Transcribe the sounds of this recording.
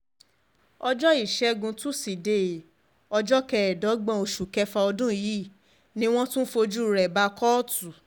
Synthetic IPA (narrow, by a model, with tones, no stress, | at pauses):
ɔ˧d͡ʒɔ˦i˦˨ʃɛ˨˦ɡũ˧tu˦si˨de˨ | ɔ˧d͡ʒɔ˦kɛ˧˨ɛ˨dɔ˨˦ɡ͡bã˧o˧ʃu˨kɛ˧fa˧ɔ˧dũ˦ji˨˦˨ | nĩ˦w̃ɔ̃˦tũ˦fo˧d͡ʒu˦˨ɾɛ˨ba˧kɔ˦tu˨